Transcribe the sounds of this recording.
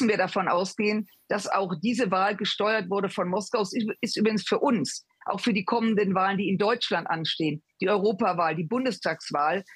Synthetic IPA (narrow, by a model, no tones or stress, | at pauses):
sn̩viːɐɾafɔnʔa̰ʊsɡ̥eːən | d̥asa̰ʊxd̥iːzəvaːlɡəʃtɔʏɐtv̥ʊɐdəfɔnmɔskaʊsɪstʔyːbʁɪɡŋ̩sfyːɐʔʊns | ʔa̰ʊxfyːɐdiːkʰɔməndənvaːləndiːɪndɔʏt͡ʃlantʔa̰nʃteːənd̥iːʔɔʏʁ̞oːpavaːldiːbʊndəstʰaːksv̥aːl